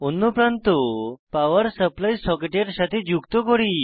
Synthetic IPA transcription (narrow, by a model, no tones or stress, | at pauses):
onːɔpɾãnt̪opaʋəɾsəplajsɔkeʈeɾɕat̪ʰid͡ʑukt̪ɔkɔɽi